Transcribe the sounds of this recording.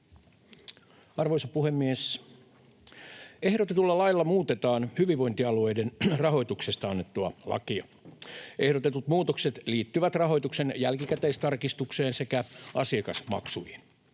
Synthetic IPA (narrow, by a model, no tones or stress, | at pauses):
ɑrʋoisɑpuhemːies | ehɾo̞t̪et̪ulːɑlɑilːɑmuːt̪et̪ɑːnhyʋiʋʋo̞int̪iɑluejdenrɑɦo̞jt̪uksest̪ɑɑnːet̪ːuɑ̰lɑ̰kiɑ | e̞hɾot̪et̪ut̪muːt̪okset̪liːt̪ːyʋæt̪rɑɦo̞jt̪uksenjælkikæt̪eist̪ɑrkist̪ukseːnse̞kæʔɑsiɑkɑsmɑ̰ksujin